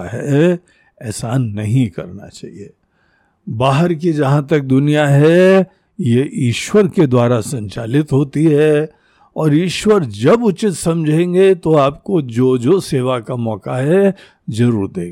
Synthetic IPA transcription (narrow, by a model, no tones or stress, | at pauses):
ɛ | ɛːsaːnːɐɦĩkɐɾna̰t͡ʃa̰ːɦieː | baːɦəɾk̬id͡ʒɐɦãt̪ɐk̚d̪ʊnijaɦɛ | jeʔiːʃwəɾked̪waːɾasɐ̃ɲt͡ʃaːlɪt̪ɦoːt̪iɦɛ | ɔːɾiːʃwəɾd͡ʒɐbʊt͡ʃɪt̪sɐ̃md͡ʒʱẽːŋɡet̪oaːp̚kod͡ʒoːd͡ʒoːseːʋakamɔːkaɦɛ | zɐɾuːɾt̪ḛ̃ːɡ